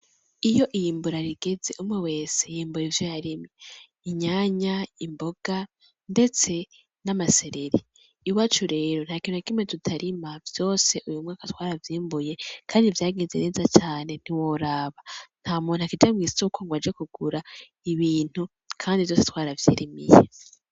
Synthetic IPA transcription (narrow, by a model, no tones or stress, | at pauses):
ijo̞ʔijiːmbuɾaɾiɡe̞ze̞ʔumŋewe̞ːsejiːmbuɾivjojaɾime | iɲaːɲaimbo̞ɡ̥a | nde̞t͡se̞ | namase̞ɾe̞ɾi | iwat͡ʃuɾe̞ːɾon̥haːkiːnuakimetutʰaɾimavjo̞ːse̞ʔujumŋaːkatwaːɾavjiːmbuje̞kʰaːndivjaːɡeze̞̰neːzat͡ʃaːne̞n̥iwoɾaːβan̥hamuːnakid͡ʒamŋiːsokoŋɡwad͡ʒekuɡ̥uɾa | iβiːn̥hu | kʰaːndivjosetwaːɾavjḛːɾimḭjḛ